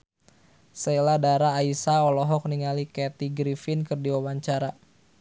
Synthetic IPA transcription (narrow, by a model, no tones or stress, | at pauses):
sɛjladaɾaːisaɔlɔɦɔk̚niŋalikɛt̪iɡɾifɪnkɨrdiwawaɲt͡ʃaɾa